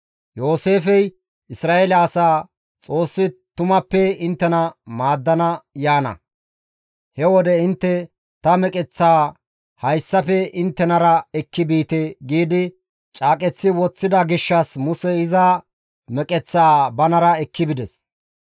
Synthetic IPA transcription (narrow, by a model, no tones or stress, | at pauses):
jo̞ːseːfɛj | ɪsɾaːelɐːsaː | t͡sʼo̞ːsːɪt̪ʊmɐpːɛɪnt̪ːɛnɐmaːd̪ːɐnɐjaːnɐ̰ | hɛwɔd̪ɛɪnt̪ːɛ | t̪ɐmɛkʼɛt͡sːaː | hɐjsːɐpɛɪnt̪ːɛnɐɾɐɛkːɪbiːt̪ɛɡiːd̪ɪ | t͡ʃʼaːkʼɛt͡sːɪwɔt͡sːɪd̪ɐɡɪʃːɐsmʊsɛɪza | mɛkʼɛt͡sːaːbɐnɐɾɐɛkːɪbɪd̪ɛs